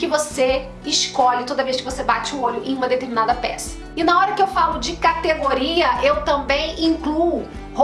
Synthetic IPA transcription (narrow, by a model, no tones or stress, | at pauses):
kɪvose | ɪʃkɔʎɪt̪od̪ɐveʃkɪvosebat͡ʃɪʊoʎʊʔẽj̃ũmɐd̪et̪eɾminad̪ɐpɛ̰sɐ̥ | ɪnɐɔɾɐkɪewfalʊd͡ʒɪkat̪eɡoɾiɐʔewt̪ɐ̃mbẽj̃ĩŋklu | ho